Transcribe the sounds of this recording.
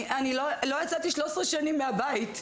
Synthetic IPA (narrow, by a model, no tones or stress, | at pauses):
anilolo̞jat͡sat̪iʃlosʁeʃanimːeabait